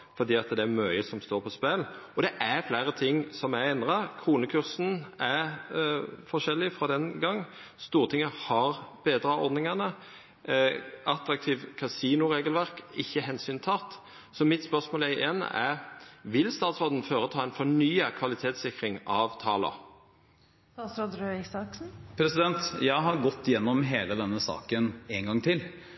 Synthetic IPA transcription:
fɔd̪iːɑt̪d̪ɛæɾmœʏəsɔmst̪oːɾpʰɔspɛlɔd̪ɛʔæɾflæɪɾət̪ʰɪŋːsɔmæɛnd̪ɾɑkʰʁuːnəkʰʉɾsn̩æɾ | fɔʂɛlːɪfɾɔd̪ɛnɡɑŋː | st̪uːɾət̪ʰɪŋːəhɑɾb̥eːd̪ɾɑɔ̰ɾd̪nɪŋɑnə | ɑt̪ɾɑk̚t̪ʰiːʋkʰɑsiːnʊɾeːɡəlʋæʁkɪçːəɦɛnsyːnt̪ʰɑt̪ | sɔmɪt̪spœʁsmoːlæɪʔen̰æʋɪlst̪ɑːt̪sʁɔd̪n̩føːɾət̪ʰɑːɛnfɔɳyːəkʰʋɑlɪt̪ʰeːt̪sɪkɾɪŋɑʋt̪ʰɑ̰ːlə̰ | ɑsɾɔd̪ɾøɪsɑksn̩pʰɾɛsɪd̪ɛnt̪jæɪɦɑɾɡɔt̪ːjɛnːɔmɦeːləd̪ɛnːəsɑ̰ːkəneːnɡɑŋːt̪ʰɪl

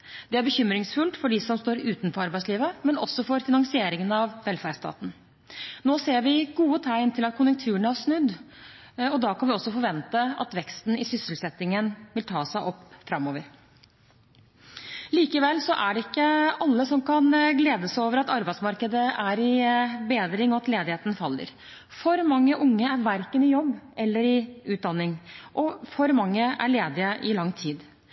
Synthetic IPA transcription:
d̪̥ɛæɾbəçʏmɾɪŋsfʉlt̪fɔɖɪsɔmst̪oːɾʉːt̪nfɔɾɑɾbæɪtsliːʋəmɛnɔ̰sːɔfɔɾfɪnɑŋsɪeːɾɪŋənɑʋʋɛlfæɾst̪ɑ̰ːt̪n̩ | noːseːɾʋɪɡuːət̪ʰæɪnt̪ʰɪlɑt̪̚kʰʊnjʉŋk̚t̪ʰʉːəɳæɾʂnʉd̪ː | ɔd̪ɑːkʰɑnʋɪɔsːɔfɔɾʋɛnt̪əɑ̰t̪ʋɛkst̪nɪsʏsəlsɛt̪ːɪŋənʋɪlt̪ʰɑːsæɪʔɔpːfɾɑmːoːʋəɾ | liːkəʋɛlsɔʔæɖɛɪkːəɑlːəsɔmkʰɑnɡleːd̪əsæoːʋəɾɑt̪ɑɾbæɪt̪smɑɾkəd̪əʔæɾɪbeːd̪ɾɪŋɔɑt̪leːd̪ɪheːt̪ənfɑlːə̰ɾ | fɔɾmɑŋːəʔʊŋːəæɾʋæɾkənɪjɔbːʔɛlːəɾɪʉːt̪̚d̪ɑnːɪŋʔɔfɔɾmɑŋːəʔæ̰ɭeːd̪ɪəʔɪlɑŋːt̪ʰiːd̪

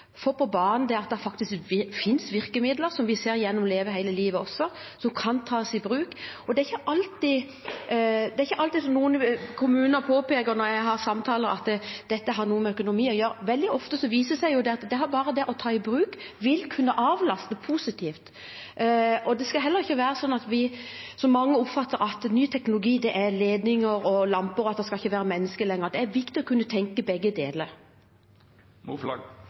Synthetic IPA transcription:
fɔpʰɔbɑːɾnənd̪ɛɑt̪̚d̪ɛfɑk̚t̪ɪskfɪnsʋɪɾkəmɪd̪ləɾsɔmʋɪseːɾjɛnːɔmleːʋəɦæɪləliːʋəɔsːɔ | sɔmkʰɑnt̪ʰɑːsɪbɾʉːkɔd̪ɛæɾɪçːəʔɑlt̪ɪ | d̪ɛæɾɪçːəʔɑlt̪ɪsɔmnuːənkʰʊmʉːnəɾpʰoːpeːkəɾnɔɾjæɪɡɦɑɾsɑmt̪ʰɑːləɾɑt̪d̪̥ɛt̪ːəɦɑɾnuːəmɛœkʊnʊmiːɔjøːɾʋɛld̪ɪʔɔft̪əsɔʋiːsəsæɪjʊd̪ɛɑt̪d̪ɛɦɑɾbɑːɾəd̪ɛʔɔt̪ʰɑːɪbɾʉːk | ʋɪlkʰʉnːəʔɑːʋlɑst̪əpʰuːsɪt̪ʰiːft̪ | ɔd̪ɛskɑɦɛlːəɾɪçːəʋæːɾəsɔnːɑt̪ʋɪsɔmːɑŋːəʊpfɑt̪ːəɾɑt̪nyːt̪ʰɛknʊlʊɡiːd̪ɛʔæɾleːd̪nɪŋəɾɔlɑmpəɾɑt̪d̪ɛskɑlɪçːəʋæːɾəmɛnːəskəlɛŋːəɾd̪ɛæɾʋɪkt̪ɪɔkʰʉnːət̪ʰɛŋkəbɛɡːəd̪eːləɾ | mul

